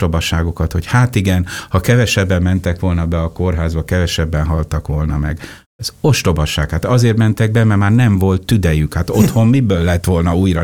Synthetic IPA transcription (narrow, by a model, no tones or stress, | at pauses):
t̪obɒʃaːɡo̞kɒt̪ho̞chaːt̪iɡɛnhɒkɛvɛʃɛbːɛmːɛnt̪ɛkʋo̞lnɒbɛɒkorɦaːzbɒkɛvɛʃɛbːɛnɦɒlt̪ɒkʋo̞lnɒmɛ̰ɡ | ɛzo̞ʃt̪o̞bɒʃaːkhaːt̪ɒzeːrt̪mɛnt̪ɛɡ̚bɛmɛmaːrnɛɱvo̞lt̪ːyd̪ɛjykhaːt̪ot̪ho̞mmibøːlːɛt̪ʋo̞lnɒuːjrɒ